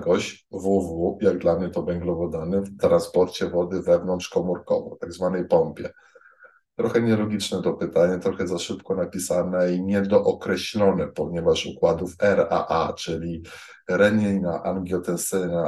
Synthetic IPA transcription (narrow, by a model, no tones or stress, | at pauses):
ɡɔɕ | vuvujaɡ̚d̪lamɲɛt̪ɔvɛŋɡlɔvɔd̪anɘft̪ɾanspɔɾt͡ɕɛvɔd̪ɘvɛvnɔntʂkɔmuɾkɔ̰vɔ̰t̪aɡzvanɛjpɔmpʲjɛ | t̪ɾɔxɛɲɛlɔɡʲit͡ʂnɛt̪ɔpɘt̪aɲɛt̪ɾɔxɛzaʂɘpkɔnapʲisanɛiɲɛd̪ɔʔɔkɾɛɕlʲɔnɛpɔɲɛvaʂukwad̪ufɛɾa̰ʔa̰t͡ʂɘlʲi | ɾɛɲɛjnaʔaŋɡʲjɔt̪ɛnsɛna